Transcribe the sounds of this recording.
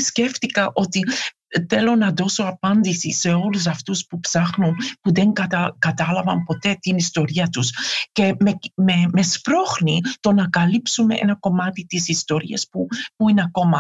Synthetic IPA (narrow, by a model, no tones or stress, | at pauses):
scefθikɐʔo̞t̪i | θelo̞nɐðo̞so̞ɐpɐnd̪isḭse̞o̞lus̬ɐft̪uspupsɐxnunpuðe̞ŋkɐt̪ɐkɐt̪ɐlɐvɐmpo̞t̪e̞t̪inist̪o̞ɾiɐt̪usce̞mememe̞spɾo̞xnit̪o̞nɐkɐlipsume̞̰ʔḛnɐko̞mɐt̪it̪isist̪o̞ɾḭɐspupuinɐko̞mɐ